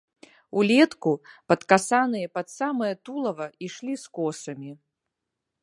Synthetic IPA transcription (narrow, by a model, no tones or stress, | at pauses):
ulʲɛt̪kupɐt̪kasanɨjɐpɐt̪samɐjɐt̪ulˠɐvɐiʂlʲiskɔsɐmʲi